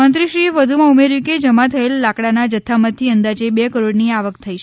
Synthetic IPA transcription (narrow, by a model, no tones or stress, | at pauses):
ənt̪ɾiʃɾieʋəd̪ʱumãumeɾjũked͡ʒəmat̪ʰəelːakɽanad͡ʒət̪ʰːamət̪ʰːiənd̪ad͡ʒebekəɾoɽniaʋəkt̪ʰəiʃ